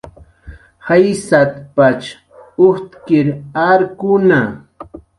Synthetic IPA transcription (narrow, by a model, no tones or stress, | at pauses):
hajsat̪pat͡ʃ | ʊht̪kɪɾaɾkʊna